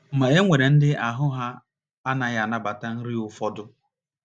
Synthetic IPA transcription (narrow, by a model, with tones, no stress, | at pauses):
m̩˨ma˨e˦ŋʷe˨ɾe˨n̩˦dɪ˦ʔa˨ɦʊ˦ɦa˦ | a˦na˨ɣa˨na˦ba˨ta˦n̩˦ɾi˦ʊ˨fɔ˦dʊ˦